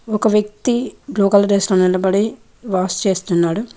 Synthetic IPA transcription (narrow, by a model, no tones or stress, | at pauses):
ɔkɐʋjɐk̚t̪iɡluːɡɐlɾeːsloːnilɐbɐɽi | ʋaːst͡ʃe̞ːst̪unːaːɽu